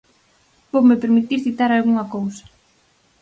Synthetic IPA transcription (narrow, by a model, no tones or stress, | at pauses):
bowmepeɾmit̪iɾθit̪aɾalɣuŋɐkowsɐ̥